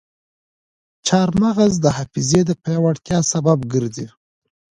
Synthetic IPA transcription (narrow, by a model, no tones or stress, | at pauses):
t͡ʃɑɾmaɣazd̪əhɑfized̪əpawaɽt̪jɑsababɡəɾd̪i